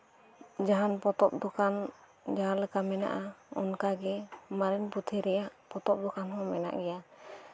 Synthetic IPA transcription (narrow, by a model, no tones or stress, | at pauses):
d͡ʒaɦanpɔt̪ɔp̚d̪ɔkan | d͡ʒaɦanləkamɛna̰ʔaɔ̰nkaɡɛmaɾɛnput̪ʰɛɾɛjaʔpɔt̪ɔp̚d̪ɔkanhɔ̃mɛna̰ʔɡɛja